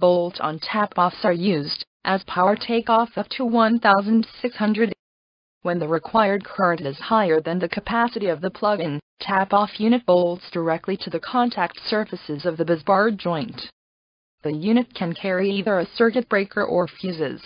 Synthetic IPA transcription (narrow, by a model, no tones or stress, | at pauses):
b̥oʊlˠtn̩tʰæpɔfsə˞jʉzdʔɨz̥pʰaʊə˞tʰeɪkɔfʌp̚tʰəwʌ̃nθaʊzɨ̃n̩dsɪkshʌ̃ndɹɨɾ | wɨ̃nðɨɹɨkʰw̥aɪə˞d̚kʰɜ˞ɨ̃ntɨɨz̥haɪə˞ðɨ̃nðɨkʰɨpʰæsɨɾiʌvðɨpʰl̥ʌɡɪ̃ntʰæpɔfjʉɾ̃ɨt̚b̥oʊlˠtsd̥ə˞ɛk̚tˡliɾɨðɨkʰɑ̃ntʰæk̚tsɜ˞fɨsɨzʌvðɨbɨzbɑɹd̚d͡ʒɔ̃ɪ̃nt | ðɨjʉñɨt̚kʰɨ̃nkʰɛɹiiðə˞ɨsɜ˞kɨt̚b̥ɹeɪkʰə˞ʔə˞fjʉzɪ̰z̥